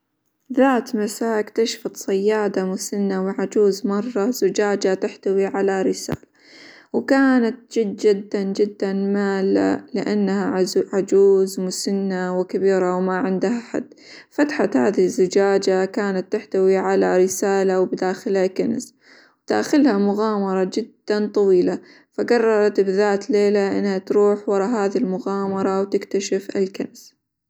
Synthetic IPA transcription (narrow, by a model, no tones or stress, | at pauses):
ðaːt̪masaːkt̪aʃfɑt̪sˤɑjːaːd̪amʊsɪnːawɪʕad͡ʒuːzmɑrˤːɑz̥ʊd͡ʒaːd͡ʒat̪ɪħt̪awiʕalaɾɪsa̰ːla | wkaːnat̪̚d͡ʒɪd̪̚d͡ʒɪd̪ːand͡ʒɪd̪ːanmaːla̰lɪʔanːhaʕad͡ʒuːzmʊsɪnːawɪkabiːɾawmaʕɪnd̪haħa̰d̪̥ː | fat̪ħat̪haːðihzːɪd͡ʒaːd͡ʒakaːnat̪ːɪħt̪awiʕalaɾɪsaːlawbɪd̪aːxɪlhakans | wt̪a̰ːxɪlhamʊɣɑːmɑɾˤɑd͡ʒɪd̪ːant̪ˤɑwiːla | faɡɑrˤːɑɾˤɑt̪bɪðaːt̪leːlaʔɪ̰nːhat̪ɾuːħwɑɾˤɑɦaːðilmʊɣɑːmɑɾˤɑwt̪ɪkt̪aʃɪfɪ̰lkans